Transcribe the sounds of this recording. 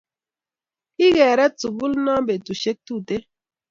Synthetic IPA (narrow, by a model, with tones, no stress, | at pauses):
i˦ɣɛ˨ɾɛ˦t͡su˨ɡu˦lna˦be˨tu˨ʃe˦k̚tu˦˨te˦